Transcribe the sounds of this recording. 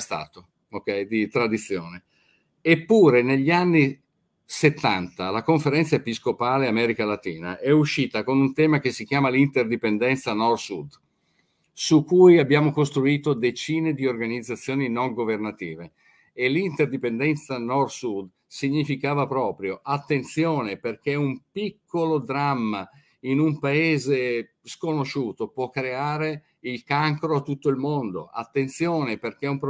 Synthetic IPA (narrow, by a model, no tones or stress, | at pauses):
st̪a̰ːt̪o | okɛjd̪it̪ɾad̪it̪sːjoːne | epːuːɾeneʎːianːi | set̪ːant̪alakoɱfeɾɛnt̪saepiskopaːleamɛːɾikalat̪iːna̰ʔɛuʃːiːt̪akonunt̪ɛːmak̟esːikjaːmalint̪erd̪ipend̪ɛnt̪sanɔrsud̪ | sukːujabːjaːmokost̪ɾuiːt̪od̪et͡ʃiːned̪iorɡanid̪zat̪sːjoːninoŋɡovernat̪iːve | elint̪erd̪ipend̪ɛnt̪sanɔrsud̪ | siɲːifikaːvapɾɔːpɾjoʔat̪ːent̪sjoːneperk̟eumpikʰːolod̪ɾamːa | inumpaeːze | skonot͡ʃːuːt̪opwɔkːɾeaːɾe | ilkaŋkɾoat̪ːut̪ːoilmond̪o̰ʔa̰t̪ːent̪sjoːneperk̟eumpɾ